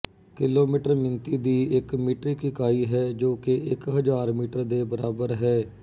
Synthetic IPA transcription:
kɪloːmiːʈəɾmɪnt̪iːd̪iːɪkmiːʈɾiːkɪkaːiːɦɛːd͡ʒoːkeɪkɦəd͡ʒaːɾmiːʈəɾd̪eːbəɾaːbəɾɦɛː

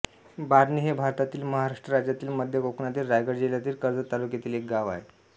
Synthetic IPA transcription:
baɾniːɦebʱaɾt̪at̪iːlməɦaɾaʂʈɾəɾad͡ʑjat̪iːlməd̪ʱjəkoknat̪iːlɾajɡəɾd͡ʑiljat̪iːlkəɾd͡zət̪ːalukjet̪iːlek̚ɡaʋa̰ɦe

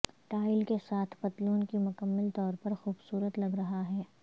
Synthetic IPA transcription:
ʈaːɪlkesaːt̪ʰbɐt̪luːnkimʊkəmːəlt̪ɔːɾpɐɾxuːbsuːɾət̪lɐɡɾɐɦaɦɛː

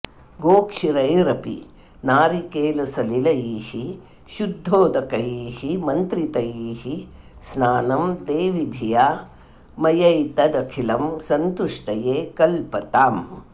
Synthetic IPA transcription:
ɡoːkʂiɾɐjɾɐpḭ | naːɾikeːlɐsɐlilɐjiːhi | ʃud̪ʱːoːd̪ɐkɐjiːhimɐnt̪ɾit̪ɐjiːhi | snaːnɐmd̪eːʋid̪ʱijaː | mɐjɐjt̪ɐd̪ɐkʰilɐmsɐnt̪uʂʈɐjeːkɐlpɐt̪aːm

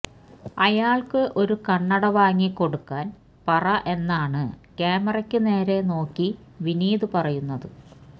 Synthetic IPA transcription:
ɐjaːɭkɨʔo̞ɾukɐɳːɐɽɐʋaːŋːikːo̞ɽukːaːn | pɐrɐʔe̞nːaːɳɨkeːmɐrɐkʲːɨne̞ːɾe̞no̞ːkːi | ʋiniːðɨpɐrɐjunːɐðɨ

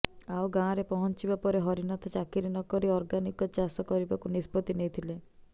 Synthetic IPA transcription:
awɡãɾepɔɦɔnt͡ʃibapɔɾeɦɔɾinat̪ɔt͡ʃakiɾinɔkɔɾiɔɾɡanikɔt͡ʃasɔkɔɾibakunispɔt̪inejt̪ʰile

